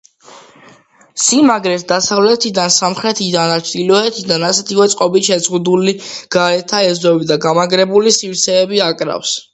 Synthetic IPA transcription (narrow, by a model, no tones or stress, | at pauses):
simaɡɾɛt̪ʰd̪asavlɛt̪ʰid̪ansamχɾɛt̪ʰid̪and̪at͡ʃʰd̪ilɔɛt̪ʰid̪anasɛt̪ʰiwɛt̪sʼqʼɔbit̪ʃɛzʁud̪uliɡ̥aɾɛt̪ʰaɛzd̪ɔbid̪aɡamaɡɾɛbulisifɾt̪sʰɛːbiakʼɾa̰fs